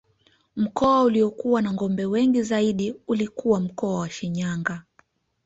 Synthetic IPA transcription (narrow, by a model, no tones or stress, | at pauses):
m̩kɔauliɔkuwanaŋɡɔmbɛwɛŋɡizaiɗiulikuwam̩kɔawaʃiɲaŋɡa